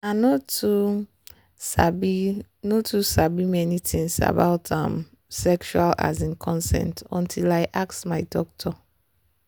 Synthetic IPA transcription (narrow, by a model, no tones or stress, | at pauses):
anɔtu | sabi | nɔtʰusabimɛnitʰĩŋsa̰baʊtʰã̰m | sɛkʃuala̰zĩnkʰɔ̃nsɛ̰̃ntɔ̰̃ntʰilaɪʔaksmaɪdɔk̚tʰɔ